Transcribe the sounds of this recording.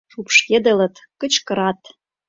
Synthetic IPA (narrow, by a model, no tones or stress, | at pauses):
upʃked̪ə̆lɤ̆t̪kə̆t͡ɕkɤ̆ɾɑt̪